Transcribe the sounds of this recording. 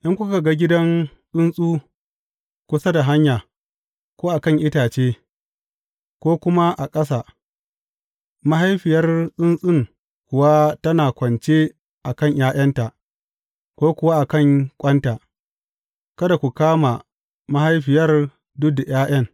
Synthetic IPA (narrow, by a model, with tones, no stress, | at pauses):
ʔɪ˦ŋkʷʊ˦ka˨ɡa˦ɡʲɪ˦dɐ˦ŋ | sʼʊ˦nsʼuː˦ | kʷʊ˦sɐ˦da˨ɦa˦ɲjaː˨ | koː˦ʔa˨kɐ˦˨ŋʔɪ˦taː˨t͡ʃeː˦ | kʷoː˦kʷʊ˦ma˦ʔa˨kʼɐ˦s̬a˨ | ma˦ɦa˦jɸɪ˨jɐ˦rsʼʊ˦nsʼɪ˦ŋ | kʷʊ˨wa˦tɐ˦naː˨kʷɐ˨nt͡ʃe˦ | ʔa˨kɐ˦˨ɲjʔaː˦j̰ɐ˦nta˨ʔ | kʷoː˦kʷʊ˦wa˦ʔa˨kɐ˦˨ŋkʷʼɐ˦nta˨ʔ | kɐ˦da˨kʷu˨kaː˦ma˨ | ma˦ha˦jɸɪ˨jɐ˦r | dʊ˦k̚da˨jaː˦j̰ɐ˦ŋ